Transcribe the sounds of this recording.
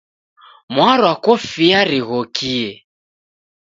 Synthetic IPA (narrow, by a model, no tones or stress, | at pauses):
mwaɾwakɔfiaɾiɣɔkiɛ